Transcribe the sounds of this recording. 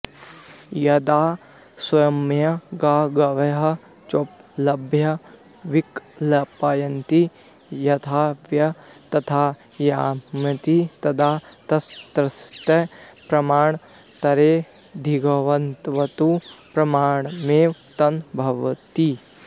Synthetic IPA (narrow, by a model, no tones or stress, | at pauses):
jɐd̪aː | swɐjɐmjɐɡaːɡɐʋɐɦɐ̆ | t͡ʃoːplɐbʱjɐ | ʋiklɐpaːjɐnt̪i | jɐt̪ʰaːʋjɐt̪ɐt̪ʰaː | jaːmjɐt̪it̪ɐd̪aːt̪ɐst̪ɾɐst̪ɐpɾɐmaːɳ | t̪ɐɾeː | d̪ʱiɡɐʋɐnt̪ʋɐt̪upɾɐmaːɳmeːʋt̪ɐnbʱɐʋɐt̪i